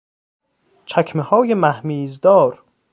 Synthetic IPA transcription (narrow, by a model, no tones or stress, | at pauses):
t͡ʃʰækʰmehɒːjemæhmiːzd̪ɒːɾ